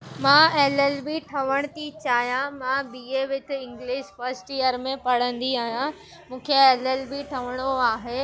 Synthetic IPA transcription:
mãeːlelbiʈʰɐʋəɽ̃t̪it͡ɕaːɦjãmãbiːeʋɪt̪ʰɪɪ̃ŋɡlɪʃfɐɾsʈjəɾmẽpɐɽ̤ə̃nd̪iaːɦijã | mũːkʰeeːlelbiʈʰɐʋəɽ̃oaːɦeː

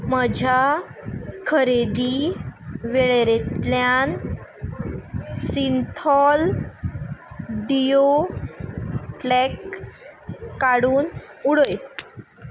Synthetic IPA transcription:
məd͡ʑʱa | kʰəɾed̪i | ʋeɭeɾet̪ljan | sint̪ʰɔl | ɖijo | ʈlɛk | aɽuːnuɽəj

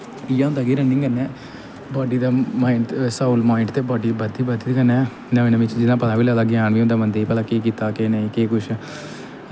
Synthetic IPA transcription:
ɪjãːʊnd̪aːɡiːɾənɪ̃ŋɡənːɛː | baːɖiːd̪aːmaːɪʈsaːuːlmaːɪɳʈt̪eːbaːɖiːbəd̪iːbəd̪iːt̪ːɡənɛ̃ː | nənẽʋɪt͡ʃd͡ʒɪnãːpət̪aːʋiːlaːlaːɡjaːɳʋiːɦʊnd̪aːmənd̪epəlaːkeːk̬iːt̪aːkeːnəĩːkeːkʊʃ

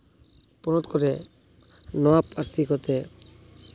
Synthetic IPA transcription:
pɔnɔt̪kɔɾe | nɔapaɾsikot̪e

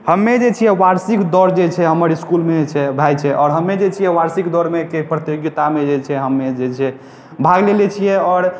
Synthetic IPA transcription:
həmːed͡ʒet͡ʃʰijɛʋaɾsikd̪ɔɾd͡ʒet͡ʃʰɛɦəməɾiskulmet͡ʃʰɛbʱajt͡ʃʰɛʔɔːɾɦəmːed͡ʒet͡ʃʰijɛʋaɾsikd̪ɔɾmekepɾət̪joɡit̪amed͡ʒet͡ʃʰɛɦəmːed͡ʒet͡ʃʰɛ | bʱaɡlelɛt͡ʃʰijɛɔːɾ

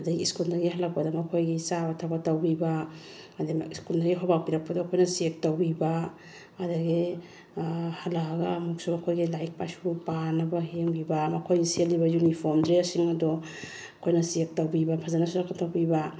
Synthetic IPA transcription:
ɐdɐɡiːskuldɐɾɡiɦɐlɐk̚pɐdɐmɐkʰojɡisabɐtʰabatɐwbiba | ɐdiiskuldɐɾɡiɦobak̚piɾɐk̚pɐdɔːkʰojnɐsiek̚tɐwbibaː | dɐɡi | hɐlaɡɐmuk̚subɐkʰojɡilajk̚pa̰supanɐbɐhieŋbibɐmɐkʰojisielːibɐjunipʰoɾmdɾiasiŋɐdɔ | kʰojnɐsiek̚tɐwbibɐpʰazanɐsuɾakːɐtɐwbiba

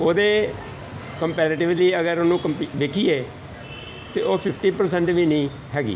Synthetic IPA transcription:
oːd̪eː | kəmpɛːɾeːʈɪʋliːəɡəɾonũːkəmpiʋeːkʰiːeː | t̪eːoːpʰɪpʰʈiːpəɾsɛ̃ɳʈʋiːnəĩː | ɦɛːɡḭː

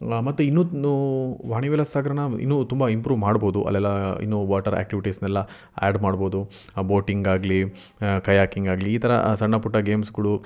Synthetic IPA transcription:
mɐt̪ːuinːuː | ʋaːɳiʋeːlɐsaːɡɐɾɐnɐḭnːut̪umbɐimpɾuːʋmaːɖbo̞ːd̪uʔɐ̰lːɛlːɐḭnːuʋaːʈɐɾa̰ːk̚ʈiʋiʈisnɛlːɐ | a̰ːɖmaːɽbo̞ːd̪u | boːʈiŋɡaːɡli | kɐjaːkiŋɡaːɡliːt̪ʰɐɾɐ̰sɐɳːɐpuʈːɐɡeːmsɡuɭu

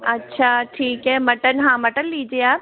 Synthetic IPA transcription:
ɐtːʃʰaːʈʰiːkɦɛmɐʈənɦãmɐʈənliːd͡ʒieaːp̚

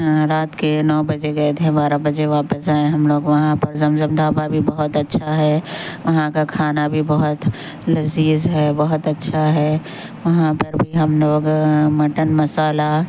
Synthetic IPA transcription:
ɾaːt̪kenɔːbɐd͡ʒeɡɐet̪ʰẽbaːɾabɐd͡ʒeʋaːpəsaːẽɦɐmloːɡʋɐɦãpɐɾzɐmzəmd̪ʱaːbabʱibɐɦʊt̪ɐtːʃʰaɦɛːʋɐɦãkakʰaːnabʱibɐɦʊt̪ | lɐziːzɦɛːbɐɦʊt̪ɐtːʃʰaɦɛː | ʋɐɦãpɐɾbʱiɦɐmloːɡmɐʈənmɐsaːla

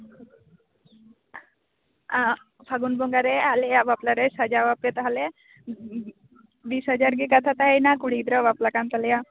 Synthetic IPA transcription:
a | pʰaɡunboŋɡaɾealeaʋaplaɾesad͡ʒaʋap̚ket̪aɦale | biːsɦəd͡ʒaɾɡikat̪ʰat̪aɦajnakuɽid̪ɾɔʋaplakant̪alja

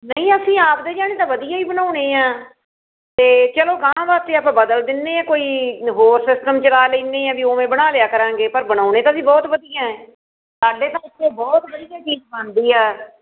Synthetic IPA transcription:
nəĩːəsĩːaːpd̪eːd͡ʒaːñeːt̪ãːʋəd̪ijãːiːbənaːʊneːãː | t̪eːt͡ʃəloːɡãːbaːt̪ːeːaːpãːbəd̪əld̪ɪneːɛ̃ːkoːiːɦoːɾsɪsʈəmt͡ʃəlaːleːneːɛ̃ːʋiːoːmẽːbəɽaːlɪjaːkəɾãːŋɡeːpəɾbəɽaːʊñẽːt̪̬aːsĩːbɔːt̪ʋəd̪ijãːɛ̃ː | saːɖeːt̪ãːɪt̪ʰːeːbɔːt̪ʋəd̪ijaːt͡ʃiːd͡ʒbə̃nd̪iːɦɛː

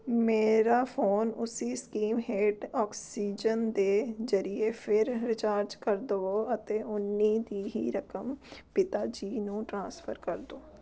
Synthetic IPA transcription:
meːɾaːpʰoːnʊsiskiːmɦeːɖɔːksiːd͡ʒənd̪eːzəɾiepʰɪɾɾɪt͡ʃaːɾd͡ʒkəɾd̪ooət̪eːʊnːid̪iːɦḭɾəkəmpɪt̪aːd͡ʒiːnũːʈɾãːspʰəɾkəɾd̪oː

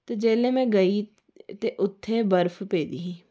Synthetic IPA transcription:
t̪eːd͡ʒeːlẽːmɛ̃ːɡəiː | t̪eːʔʊt̪ʰːeːbəɾpʰpeːd̪iːɦĩː

